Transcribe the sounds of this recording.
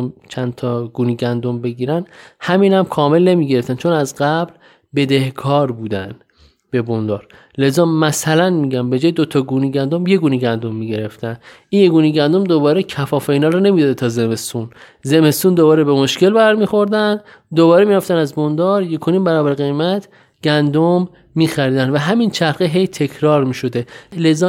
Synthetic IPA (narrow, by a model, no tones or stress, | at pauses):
mt͡ʃʰænt̪ʰɒːɡuːniɡænd̪ombe̞ɡiːɾænhæmiːnhæmkʰɒːme̞lne̞miːɟe̞ɾe̞ft̪ænt͡ʃʰonæzɢæbl | be̞d̪e̞hkʰɒːɾbuːd̪æ̰n | b̥e̞bond̪ɒːɾ | le̞zɒːmæsælænmiɟæmbe̞d͡ʒɒːjed̪ot̪ʰɒːɡuːniɟænd̪omjeɡuːniɡænd̪omːiːɟe̞ɾe̞ft̪ænʔinje̞ɡuːniɟænd̪o̞md̪o̞bɒːɾecʰæfɒːfeiːnɒːɾɔne̞mid̪ɒːd̪et̪ʰɒːzeme̞st̪unze̞me̞st̪uːnd̪o̞βɒːɾebemo̞ʃke̞lbæɾmiːxo̞ɾd̪æn | d̪oβɒːɾemiːɾæft̪ænæzbond̪ɒːɾje̞kʰo̞niːmbæɾɒːbæɾɣe̞jmæt̪ʰ | ɡ̥ænd̪omː | iːxæɾiːd̪ænvæɦæmint͡ʃʰæɾχeɦe̞jt̪ʰe̞kʰɾɒːɾmiːʃo̞d̪e̞le̞zɒː